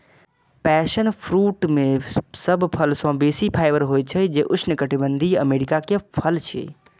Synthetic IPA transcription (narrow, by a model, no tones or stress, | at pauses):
pɛːʃənpʰɾuːʈmẽsəbpʰəlsɔ̃beːsipʰaːɪʋəɾɦoːet͡ʃʰəd͡ʒeʔʊt͡ʃʰnəkəʈʰibə̃nd̪ʱiə̰meːɾɪkakepʰəlt͡ʃʰḛ